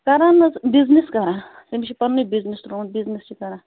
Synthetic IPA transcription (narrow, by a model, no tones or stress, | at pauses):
kɐɾaːnɐbizniskɐɾaːsemt͡ʃʰipɐnːibiznist̪ɾonbiznist͡ʃʰikɐɾãː